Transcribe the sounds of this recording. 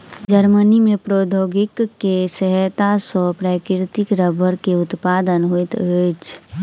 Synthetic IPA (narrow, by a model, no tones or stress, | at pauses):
d͡ʒəɾmənimẽpɾoːd̪ʱoːɡɪkːesəɦət̪asɔpɾaːkɾɾɪt̪ɪkɾəbʱəɾkeʊt̪paːd̪ənɦoit̪ət͡ʃʰ